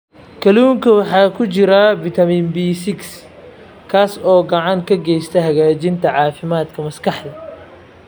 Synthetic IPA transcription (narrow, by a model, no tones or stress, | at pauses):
kʰɐluːŋkʰɐwɑħɑːkʰʊt͡ʃɪɾɐbɪt̪ʰɐmiːnbiːsɪks | kʰaːsɔːɡɐʕɑŋkʰɐɡɛjst̪ʰɐɦɐɣaːt͡ʃɪnt̪ʰɐʕɑːfɪmaːd̪kʰɐmɐskʰɑħd̪ɐ